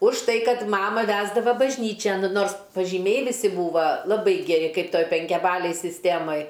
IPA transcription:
ʊʃ ˈtɐɪ ˈkɐt ˈmɑːmɐ ˈʋʲæːzdɐʋɐ bɐʒʲˈnʲiːt͡ʃʲɛn ˈnoːrs pɐʒʲiːˈmʲɛɪ ʋʲɪˈsʲɪ ˈbuːʋɐ lˠɐˈbɐɪ ɡʲɛˈrʲɪ ˈkɐɪp ˈtoːj pʲɛŋʲkʲɛˈbɑːlʲeːj sʲɪsʲˈtʲeːmɐj

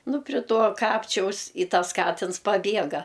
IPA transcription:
nʊ pʲrʲɪ ˈtuɔ ˈkɑːpʲt͡ʃʲɛʊs ɪ ˈtɐs ˈkɑːtʲɪns pɐˈbʲiɛɡɐ

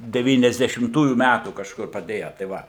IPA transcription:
dʲɛʋʲiːnʲɛzʲdʲɛʃʲɪmˈtuːjuː ˈmʲætuː kɐʃˈkʊr pɐˈdʲeːjɛ tɐɪ ˈʋɐ

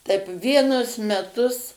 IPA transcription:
tɐɪp ˈʋʲiɛnʊs mʲɛˈtʊs

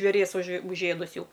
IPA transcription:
ʒʲʋʲeːˈrʲiɛs ʊʃ ʊʒʲˈeːdʊs ˈjɛʊ

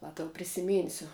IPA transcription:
ˈʋɐ tɐʊ pʲrʲɪsʲɪˈmʲiːnʲsʲʊ

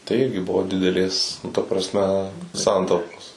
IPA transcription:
tɐɪ ˈɪrʲɡʲɪ ˈbʊʋoː dʲɪdʲɛˈlʲeːs nʊ tɐ prɐsʲˈmʲɛ ˈsɐntɐʊpoːs

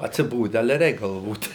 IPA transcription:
ɐtʲsʲɪˈboːdʲɛ ˈɑːlʲɛ ˈrʲɛɪk ɡɐlˠˈʋoːt

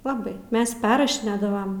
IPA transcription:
lˠɐˈbɐɪ ˈmʲɛs ˈpʲɛrrɐʃʲɪnʲeːdɐʋɐm

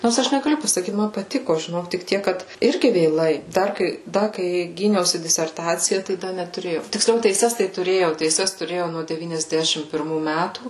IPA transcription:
ˈnoːrs ˈɐʃ nʲɛɡɐˈlʲʊ pɐsɐˈkʲiːt mɐn pɐˈtʲɪkoː ʒʲɪˈnoːk tʲɪk ˈtʲiɛk ˈkɐt ˈɪrʲɡʲɪ ʋʲeːˈlˠɐɪ ˈdɐr kɐɪ ˈdɐ kɐɪ ˈɡʲiːnʲɛʊsʲɪ dʲɪsʲɛrˈtɑːt͡sʲɪjɛ tɐɪ ˈdɐ nʲɛtʊˈrʲeːjɛʊ tʲɪksʲˈlʲɛʊ tʲɛɪˈsʲɛs tɐɪ tʊˈrʲeːjɛʊ tʲɛɪˈsʲɛs tʊˈrʲeːjɛʊ nuɔ dʲɛʋʲiːnʲɛzʲˈdʲæːʃʲɪm pʲɪrˈmuː ˈmʲætuː

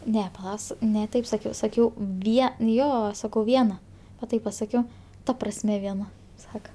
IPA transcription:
ˈnʲɛ pɐˈlˠɐ s nʲɛ ˈtɐɪp sɐˈkʲɛʊ sɐˈkʲɛʊ ˈʋʲiɛ n ˈjoː ˈsɑːkɐʊ ˈʋʲiɛnɐ ʋɐ ˈtɐɪp pɐˈsɑːkʲɛʊ ˈtɐ prɐsʲˈmʲɛ ʋʲiɛˈnɐ ˈsɑːkɐ

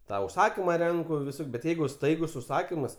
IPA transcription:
tɐ ʊʃˈsɑːkʲɪmɐ ˈrʲɛŋkʊ ʋʲɪˈsoːkʲ bʲɛt ˈjɛɪɡʊ ˈstɐɪɡʊs ʊʃˈsɑːkʲɪmɐs

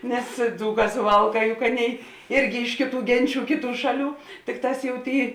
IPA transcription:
nʲɛs ˈd͡zuːˌkɑː sʊˈʋɐlˠˌkɑː jʊk ˈɑːˌnʲeːɪ ˈɪrʲɡʲɪ ˈɪʃ kʲeːˌtuː ˈɡʲɛnʲˌt͡ʃʲuː ˈkʲeːˌtuː ˈʃɑːˌlʲuː ˈtʲɪkˌtɑːs jɛʊ ˈtʲeːɪ

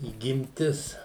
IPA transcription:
iːɡʲɪmʲˈtʲɪs

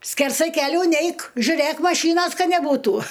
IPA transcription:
sʲkʲɛrˈsɐɪ kʲɛˈlʲuː ˈnʲɛɪk ʒʲʊˈrʲeːk mɐˈʃʲiːnoːs ˈkɐ nʲɛˈbuːtʊ

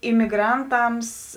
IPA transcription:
ɪmʲɪˈɡrɐnˌtɐms

